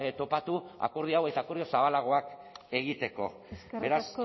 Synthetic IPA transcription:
t̪o̞pat̪ua̰koɾðiawe̞t̪aːkoɾðiosaβalaɣ̞o̞ake̞ɣ̞it̪e̞ko̞̰ | be̞ɾas

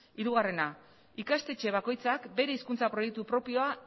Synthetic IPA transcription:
iɾuɣare̞na | ikast̪e̞t͡ʃe̞β̞ako̞jt͡sakbe̞ɾe̞iskunt͡sapɾo̞je̞k̚t̪upɾo̞pio̞a

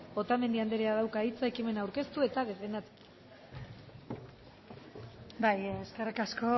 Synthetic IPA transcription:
bo̞t̪amend̪iand̪eɾeað̞awkait͡saekime̞nawɾke̞st̪ue̞t̪að̞e̞fe̞nd̪at̪u̥ | bajeskerikasko̞

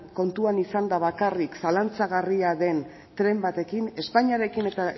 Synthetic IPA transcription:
ko̞nt̪uanisand̪aβakariksalant͡saɣariaðe̞n | t̪ɾe̞mbat̪e̞kine̞spaɲiaɾe̞kine̞t̪a

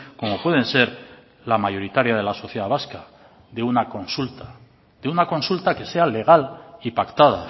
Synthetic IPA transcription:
ko̞mo̞pwe̞ð̞e̞nse̞ɾ | lamajo̞ɾit̪aɾjað̞e̞laso̞θjeðaβaska | ðeunako̞nsult̪ḁ | ðeunako̞nsult̪ake̞se̞ale̞ɣ̞alipakt̪aða

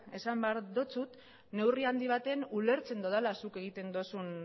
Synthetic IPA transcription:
e̞sambeaɾðot͡sut̪ | ne̞wriand̪iβ̞at̪enule̞ɾt͡se̞nd̪oðalasuke̞ɣ̞it̪e̞nd̪osun

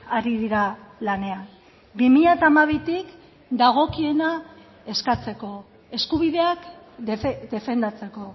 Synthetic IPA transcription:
aɾiðiɾalane̞an | bimiʎat̪aːmaβ̞it̪ik | d̪aɣ̞o̞kie̞na | e̞skat͡se̞ko̞ | e̞skuβiðe̞ak̪ | d̪e̞fe̞nd̪at͡se̞ko̞

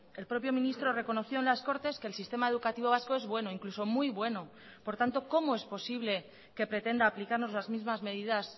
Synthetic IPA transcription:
e̞lpɾo̞pjo̞mĩnist̪ɾo̞re̞ko̞no̞θjo̞enlasko̞ɾt̪e̞ske̞ːlsist̪e̞mae̞ð̞ukat̪iβ̞o̞β̞asko̞e̞zβwe̞no̞iŋkluso̞mujβwe̞no̞ | po̞ɾt̪ant̪o̞ko̞mo̞e̞spo̞siβle̞ | ke̞pɾe̞t̪e̞nd̪aːplikaɾno̞zlazmizmazme̞ð̞iðas

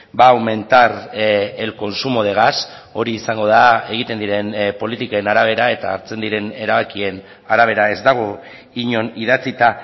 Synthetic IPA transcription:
baːwme̞nt̪aɾelko̞nsumo̞ð̞e̞ɣ̞aso̞ɾiːsaŋɡo̞ð̞ae̞ɣ̞it̪e̞nd̪iɾe̞npo̞lit̪ikaenaɾaβ̞e̞ɾae̞t̪a̰ːɾt͡se̞nd̪iɾe̞ne̞ɾaβakie̞n | aɾaβ̞e̞ɾae̞zd̪aɣ̞o̞ | iɲo̞nið̞at͡sit̪a

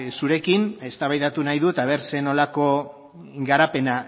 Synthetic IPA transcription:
suɾe̞kine̞st̪aβajðat̪unajðut̪aβ̞e̞ɾse̞no̞lako̞ | ɡaɾape̞na

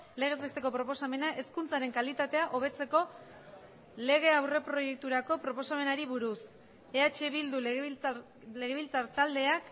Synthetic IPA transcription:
le̞ɣe̞zβe̞st̪e̞ko̞pɾo̞po̞same̞naʔe̞skunt͡saɾe̞ŋkalit̪at̪e̞aʔo̞β̞e̞t͡se̞ko̞ | le̞ɣ̞e̞awre̞pɾo̞je̞k̚t̪uɾako̞pɾo̞po̞same̞naɾiβuɾus | e̞at͡ʃeβild̪u | le̞ɣe̞βilt͡saɾt̪ald̪e̞ak

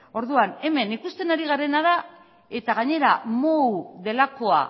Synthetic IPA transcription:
o̞ɾðuane̞me̞nikust̪e̞naɾiɣ̞aɾe̞naða | e̞t̪aɣ̞aɲe̞ɾamowðe̞lako̞a̰

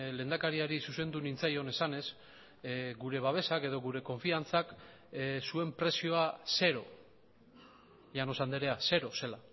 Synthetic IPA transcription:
le̞ːnd̪akaɾiaɾisuse̞nd̪unint͡sajo̞ne̞sane̞s | ɡuɾe̞β̞aβ̞e̞sake̞ð̞o̞ɣuɾe̞ko̞ɱfiant͡sak | sue̞mpɾe̞sio̞ase̞ɾo̞ | ʎano̞sand̪eɾe̞ase̞ɾo̞se̞la

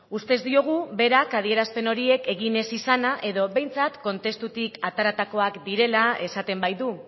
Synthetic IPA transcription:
ust̪e̞zd̪io̞ɣ̞uβe̞ɾakað̞ie̞ɾaspe̞no̞ɾie̞ke̞ɣine̞sisanaʔe̞ðo̞βe̞jnt͡sat̪ko̞nt̪e̞st̪ut̪ikat̪aɾat̪ako̞akd̪iɾe̞lae̞sat̪e̞mbajðu

